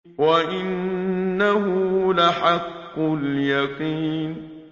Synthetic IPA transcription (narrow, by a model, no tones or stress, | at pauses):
waʔɪnːaɦʊlaħakːʊljaqiːn